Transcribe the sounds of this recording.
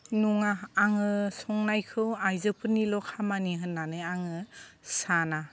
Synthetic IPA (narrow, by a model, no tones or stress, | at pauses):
nuŋaːŋɯsɔŋnajkʰɯwajzɯpʰɯnilɔkʰamaniɦɯnːanɯjaŋɯsana